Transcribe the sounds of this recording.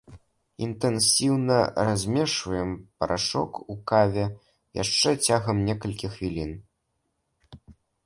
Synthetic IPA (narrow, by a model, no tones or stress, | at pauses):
ḭnt̪ɛnsʲiwnɐrazʲmʲɛʂvɐjɛmpɐɾʔaʂɔ̰kukavʲɛ | ja̰ʂt͡ʂɛt͡sʲaɣɐmnʲɛkɐlʲkʲixvʲilʲin